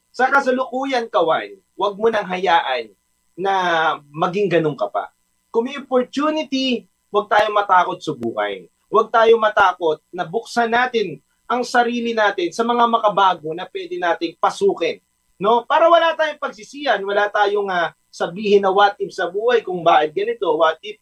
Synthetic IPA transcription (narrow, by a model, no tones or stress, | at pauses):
sɐkɐsɐlʊkuːjɐnkɐwa̰n | wɐɡ̚monɐŋɦɐjaːʔɐnː | ɐmɐɡɪŋɡɐnoŋkɐpa̰ | kʊŋmɛjʔopoɹt̪uːnɪt̪i | wɐɡ̚t̪aːjo̞mɐt̪aːko̞t̪̚sɐbṵːhɐ̰j | wɐɡ̚t̪aːjo̞mɐt̪aːko̞t̪̚nɐbʊk̚sɐnaːt̪ɪn | ʔɐŋsɐɾiːlɪnaːt̪ɪnsɐmɐŋamɐkɐbaːɡo̞nɐpwɛːd̪ɛnaːt̪ɪŋpɐsuːkɛnː | o̞paːɾɐwɐlat̪aːjoŋpɐɡ̚sɪsiːjɐnwɐlat̪aːjoŋɐ | sɐbiːhɪnːɐwat̪̚ɪpsɐbuːhɐjkʊŋbaːʔɪt̪̚ɡɐnɪt̪o̞wat̪̚ɪp̚